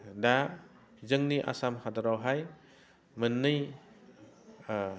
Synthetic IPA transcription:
da | zɯŋniʔa̰samhadaɾawɦaj | mɯnːɯj

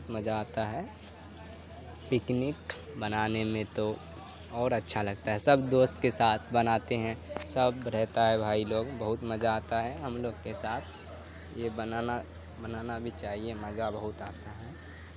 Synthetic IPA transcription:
t̪məd͡ʒaːt̪aɦɛ | pɪknɪk | bənaːnemẽt̪o | ɔːɾɐtːʃʰalɐɡ̚t̪aɦɛsɐbd̪oːst̪kesaːt̪ʰbɐnaːt̪eɦɛ̃səbɾɛɦt̪aɦɛbʱaːiloːɡbəɦʊt̪mɐd͡ʒaːt̪aɦɛɦɐmloːɡkesaːt̪ʰ | jebənaːna | bənaːnabʱit͡ʃaːɦiemɐzabəɦʊt̪aːt̪aɦɛː

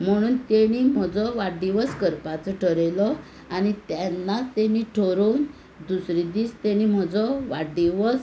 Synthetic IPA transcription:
m̤əɽ̃uːnt̪eɽ̃im̤əd͡zɔʋaɖiʋəskəɾpat͡sɔʈʰəɾelɔ | añit̪ɛnːat͡st̪eñiʈʰɔɾon | d̪usɾid̪iːst̪eɽ̃im̤əd͡zɔʋaɖiʋɔs

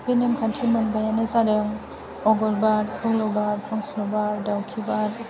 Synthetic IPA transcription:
binemkʰantʰimɯnbajanɯzadɯŋ | ɔɡɔɾbaɾkʰɯwlɔbaɾpʰɔŋslɔbaɾdawkʰibaɾ

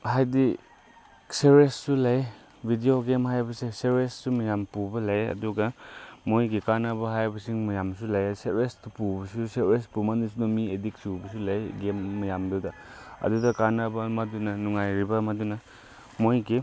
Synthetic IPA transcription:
hajdi | seɾesːulɐj | bʱidioɡemhajbɐseseɾesːumɐjampubɐlɐjɐ̰duɡɐmojɡikanɐbɐɦajbɐsiŋmɐjamsulɐjseɾestupubɐsuseɾespumandus̬unomiediksubɐsulɐjɡemːɐjamdɐwdɐ | ɐ̰dudɐkanɐbɐmɐdunɐnuŋajɾibɐmɐdunɐ | mojɡi

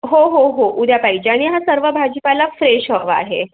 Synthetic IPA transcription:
ɦoɦoɦoʔud̪ʱjapaid͡ʑeaɽ̃iɦasəɾʋəbʱad͡ʑəpalafɾeɕɦəʋa̰ɦḛ

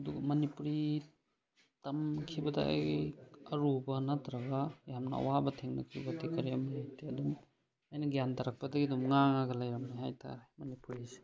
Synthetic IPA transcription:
ɐduɡɐmɐnipuɾi | tɐmkʰibɐdɐ̰jɐɾubɐnatɾɐɡɐjamnɐ̰ɐ̰wabɐtʰeŋnɐ̰kʰɾibɐtʰekɐɾiɐmnhajteɐdum | ɐjnɐɡjantɐɾak̚pɐdɐɡiɐdumŋaŋaɡɐlɐjɾɐmniɦajtʰa̰ɾemɐnipuɾise̥

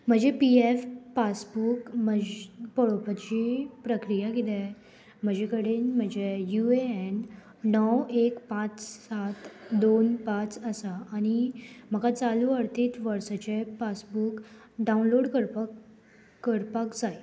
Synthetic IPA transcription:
m̤əd͡ʑepiefpasbukməpəɭopət͡ɕipɾəkɾijakid̪ɛ | m̤əd͡ʑekəɽiːnm̤əd͡ʑejueen | nɔwekpãt͡ssat̪d̪onpãt͡səsaːñim̤əkat͡saluəɾt̪iːt̪ʋəɾsat͡ɕepasbuk | ɖaunloɽkəɾpː | əɾpakd͡zaj

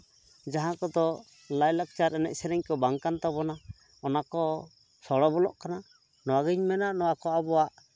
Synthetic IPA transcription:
d͡ʒaɦãkɔd̪ɔ | lajlak̚t͡ʃaɾɛnɛ̰c̚sɛɾɛɲkɔbaŋkant̪ɔbɔna | ɔnakɔ | sɔɽɔbɔlɔ̰ʔkana | nɔwaɡiɲmɛnaʔnɔwakɔabɔwaʔ

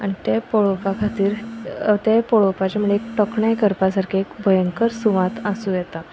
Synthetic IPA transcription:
aɳ̃it̪epoɭopakʰat̪iːɾt̪epoɭopat͡ɕamuɭeekʈɔkɳajkəɾpasaɾkʰiekbʱəjəŋkəɾsuʋãt̪asuːjɛt̪a

